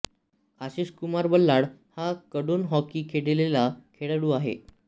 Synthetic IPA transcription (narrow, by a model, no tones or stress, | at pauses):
aɕiːɕkumaɾbəlːaɽhakəɽuːnɦɔkiːkʰeɽelelakʰeɽəɽuːaɦḛ